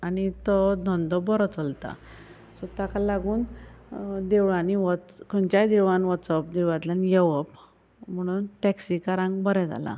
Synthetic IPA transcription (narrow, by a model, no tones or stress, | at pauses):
anit̪ɔd̪ʱɔnd̪ɔbɔɾɔt͡sɔlt̪a̰ | sɔt̪akalaɡuːn | d̪eʋɭaniʋɔtkənt͡ɕajd̪iʋanʋɔt̪sapd̪iɾʋat̪lanjeʋəp | m̤əɽ̃uːnʈɛksikaɾãŋɡbəɾɛ̃d͡za̰la̰